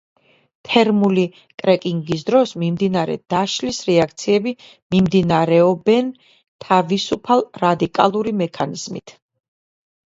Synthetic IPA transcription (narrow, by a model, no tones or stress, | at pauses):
t̪ʰɛɾmuli | kʼɾɛkʼiŋɡis̬d̪ɾɔsmimd̪inaɾɛ̰d̪̥aʃlisɾɛak̚ʰt̪sʰiɛbi | mimd̪inaɾɛɔbɛn | t̪ʰavisupʰalˠɾad̪ikʼalˠuɾimɛkʰaniz̥mḭt̪ʰ